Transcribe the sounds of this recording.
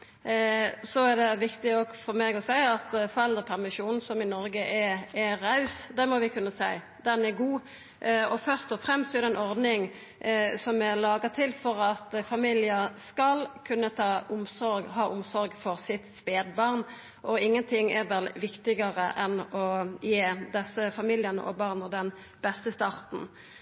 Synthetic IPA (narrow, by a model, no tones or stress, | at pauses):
sɔɛʁd̪ɛʋɪkt̪ɪɔɡfɔɾmeːɡɔsæɪɑt̪fɔɾɛld̪ɾəpʰæʁmɪʃuːnn̩sɔmɪnɔɾɡəʔɛɛɾɑʉsd̪ɛmɔʋɪkʰʉnːəsæɪ | d̪ɛnɛɡuː | ɔfœɾst̪ɔfɾɛmst̪sɔɛd̪ɛnɔɾd̪nɪŋ | sɔmɛlɑːɡət̪ʰɪlfɔɾɑt̪fɑmiːlɪəskɑlkʰʉnːət̪ʰɑːʊmsɔɾɡɦɑːʔʊmsɔɾɡfɔʁsɪt̪speːd̪bɑʁn | ʔɔɪŋːənt̪ʰɪŋːɛʁʋɛlʋɪkt̪ɪɡəʁəʔɛnɔjeːd̪ɛsəfɑmiːljənə̰ʔɔ̰bɑʁnəd̪ɛn | b̥ɛst̪əst̪ɑʁt̪n̩